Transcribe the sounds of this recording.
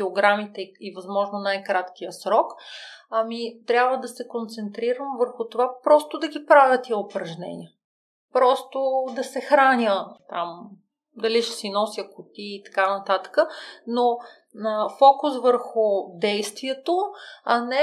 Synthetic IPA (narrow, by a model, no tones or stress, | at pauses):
fioɡɾamit̪ɛivɐzmɔʒnonajkɾat̪k̟ijəsɾɔkɐmit̪ɾʲabvəd̪ɐsɛkont̪sɛnt̪ɾiɾəmvəɾxʊt̪ovapɾɔst̪ʊd̪ɐɡʲipɾavʲət̪iopɾɐʒnɛ̰nʲḭə | pɾɔst̪od̪ɐsɛxɾanʲət̪am | d̪ɐliʃɛ̥sinɔsjəkʊt̪iːt̪ɐ̥kanɐt̪at̪ə̥kəno | əfɔkʊsvəɾxʊd̪ɛjst̪viɛt̪oɐnɛ